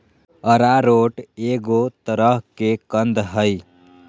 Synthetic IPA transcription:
əɾaɾoːʈeɡot̪əɾəɦkekənd̪ɦəj

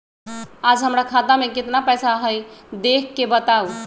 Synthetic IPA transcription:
ad͡ʒɦəmɾakʰat̪amẽket̪napɛjsaɦəjd̪ekʰːebət̪au

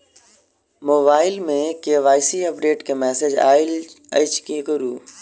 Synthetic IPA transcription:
moːbaːɪlmẽkeʋaːɪsiɐp̚ɖeːʈkemɛːsed͡ʒa̰ːɪl | ḛɪt͡ʃkikʊɾuː

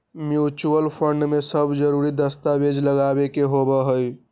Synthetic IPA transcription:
mjut͡ʃuəlpʰəɳɖmesəbd͡ʒəɾuɾid̪əst̪abed͡ʒləɡabekeɦobəɦəj

